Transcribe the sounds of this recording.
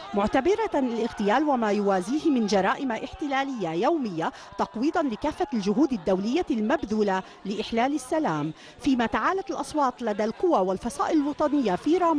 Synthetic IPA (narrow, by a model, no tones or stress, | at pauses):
mʊʕt̪abɪɾaɪlʔɪɣt̪ɪjaːlwamaːjʊwaːziːhɪmɪnd͡ʒɑɾˤɑːʔɪmaʔɪħt̪ɪlaːlɪjːajawmɪjːa | t̪ɑqwiːd̪ˤɑnlɪkaːfːald͡ʒʊɦuːd̪ad̪ːawlɪjːalmabðuːla | lɪʔɪħlaːlɪsːalaːm | fiːmaːt̪aʕaːlat̪alʔɑsˤwɑːt̪ˤlad̪aːlqʊwaːwalfɑsˤɑ̰ːʔɪlɪlwɑt̪ˤɑnɪjːafiːɾˤɑːm